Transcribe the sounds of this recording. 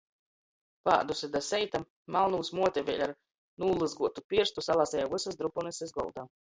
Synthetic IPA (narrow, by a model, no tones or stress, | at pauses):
pa̰ːd̪usʲɛd̪asɛjt̪aː | alˠnuːsmuɔt̪ʲɛvʲɛ̰ːlʲaɾ | nuːlˠɨzɡuɔt̪upist̪usalˠaːsɛjavɨsasd̪ɾupunɨsɛzɡɔ̰lˠd̪a